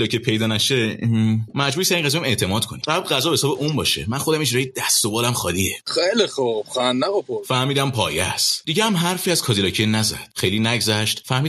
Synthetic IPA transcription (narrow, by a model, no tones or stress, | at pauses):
lɒcʰiepʰe̞jd̪ɒːnæʃe | mæd͡ʒbuːjisæɾiːŋʁæzijæme̞ʔt̪ʰe̞mɒːd̪̚kʰo̞niɢæbd̪ɢæzɒbhesɒːbeʔumbɒːʃḛmænxo̞d̪æmiʃɾɒjied̪æst̪obɒːlæmxɒːliexelixobxænːæɣopʰoɾfæhmiːd̪æmpʰɒ̰ːjæ̰st̪d̪iɟehæmɦæɾfiːæzkʰɒːzilɒːcʰienæzæ̰d̪̥xejliːnæɡzæʃt̪fæhmiː